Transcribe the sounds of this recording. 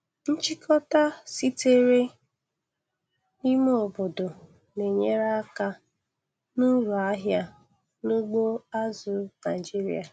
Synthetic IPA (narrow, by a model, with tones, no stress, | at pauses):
n̩˦t͡ʃi˦kʰɔ˦ta˦si˦te˦ɾe˦ | i˦mo˨bo˨do˨ | ne˨ɲe˦ɾa˦ka˦ | nu˦ɾu˨a˦ɦja˦ | nu˦ɡ͡bo˦a˦zʊ˨na˨ɪ˨d͡ʒi˦ɾḭ˦a˨